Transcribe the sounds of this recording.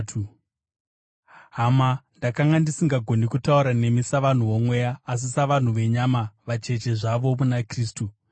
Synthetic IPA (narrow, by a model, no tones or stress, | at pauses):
ɦamandakaŋɡandisiŋɡaɡʱonikutauɾane̞misaʋan̤uʋo̞mwe̞jaːs̬isaʋan̤uʋe̞ɲamaʋat͡ʃe̞t͡ʃe̞ʐaʋo̞munakriːstu